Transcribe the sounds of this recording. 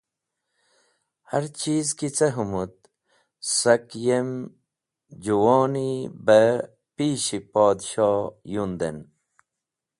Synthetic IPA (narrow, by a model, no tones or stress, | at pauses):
haɾt͡ɕiːzkit͡sɐɦumut̪̚ | sɐkjem | d͡ʑuwoːnibə | piːɕipɔːd̪ɕɔːjund̪en